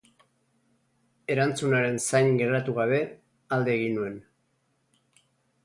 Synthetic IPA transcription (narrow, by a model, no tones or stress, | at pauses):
e̞ɾant͡sunaɾe̞nsajnɡe̞rat̪uɣaβe̞ | ald̪eːɣinue̞n